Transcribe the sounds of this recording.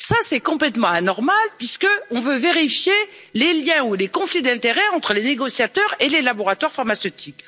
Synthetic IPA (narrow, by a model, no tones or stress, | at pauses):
sasɛkɔ̃plɛt̪mɑ̃anɔʁmalpɥiskəɔ̃vøveʁifjeleljɛ̃ulekɔ̃flid̪ɛ̃t̪eʁɛɑ̃t̪χəleneɡɔsjat̪œʁelelabɔʁat̪waʁfaʁmasøt̪ʰik